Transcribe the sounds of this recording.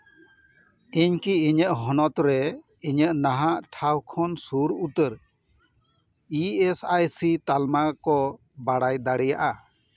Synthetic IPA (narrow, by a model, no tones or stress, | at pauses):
iɲkiːɲəʔɦɔnɔt̪ɾɛ | iɲəʔnaɦaʔʈʰawkʰɔnsuɾut̪əɾ | iesajsit̪almakɔ | baɽajd̪aɽɛjaʔa